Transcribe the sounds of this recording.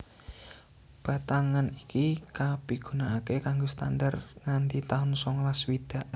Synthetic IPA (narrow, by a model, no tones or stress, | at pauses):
b̥a̤t̪aŋanikikab̥i̤ɡ̥ṳnaːkekaŋɡost̪andarŋant̪it̪aʊnsɔŋlaswid̪̥a̤ʔ